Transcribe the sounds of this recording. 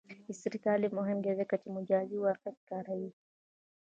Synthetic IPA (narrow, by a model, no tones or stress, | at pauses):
isiɾikalimɔɦɛmɡɛzɛkat͡ʃimud͡ʒaziwakati̥kaɾai